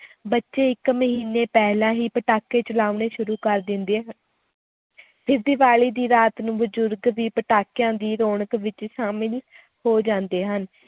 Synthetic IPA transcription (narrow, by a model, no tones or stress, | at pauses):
bətːʃeːɪkməɦiːneːpɛːɦlãːɦiːpəʈaːkeːt͡ʃəlaːuneːʃʊɾuːkəɾd̪ɪ̃nd̪eːɦ | pʰɪɾd̪ɪʋaːɭiːd̪iːɾaːt̪nũːbəd͡ʒʊɾɡʋiːpəʈaːkjãːd̪iːɾoːɳəkʋɪt͡ʃʃaːmɪl | hoːd͡ʒãːnd̪eːɦən